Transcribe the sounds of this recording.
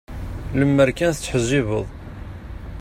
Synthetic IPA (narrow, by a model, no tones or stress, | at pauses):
ləmːəɾkænθt͡sːħzːivəðˤ